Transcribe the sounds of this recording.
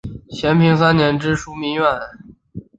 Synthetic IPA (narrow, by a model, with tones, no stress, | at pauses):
ɕʰjɛ˧˥npʰi˧˥ŋsa˥nnjɛ˧˥nʈ͡ʂɻ̩˥ʂu˥mi˧˥ŋɥɛ˥˩n